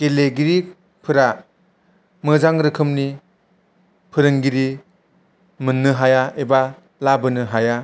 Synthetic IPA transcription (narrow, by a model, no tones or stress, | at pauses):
keleɡiɾi | pʰɯɾa | mɯzaŋɾɯkʰɯmni | pʰɯɾɯŋɡiɾi | mɯnːɯɦajaeba | labɯnɯɦaja